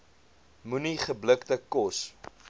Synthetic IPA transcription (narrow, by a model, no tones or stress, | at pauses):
muniχəbləktəkɔs